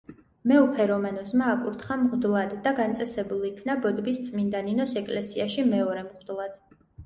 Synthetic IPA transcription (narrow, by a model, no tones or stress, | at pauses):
mɛɔpʰɛɾɔmanɔzmaːkʼuɾt̪ʰχamʁd̪lˠad̪ːaɡant̪sʼɛsɛbulˠikʰnabɔd̪bist̪sʼmind̪aninɔsɛkʼlɛsiaʃimɛɔɾɛmʁd̪lˠad̪̥